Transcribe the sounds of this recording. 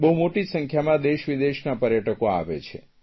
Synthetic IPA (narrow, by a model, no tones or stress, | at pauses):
bəɦumoʈisə̃ŋkʰjamãd̪eʃʋid̪eʃnapəɾjəʈəkoa̰ʋḛt͡ʃʰḛ